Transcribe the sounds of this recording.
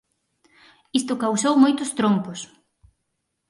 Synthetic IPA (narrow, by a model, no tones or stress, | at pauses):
ist̪ʊkawsowmojt̪ʊst̪ɾompʊs